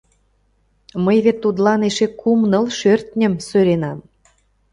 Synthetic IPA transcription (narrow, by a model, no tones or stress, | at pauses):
məjβet̪ːud̪lɑneʃekʰumnɤ̆lʃørt̪nʲə̆msøɾenɑm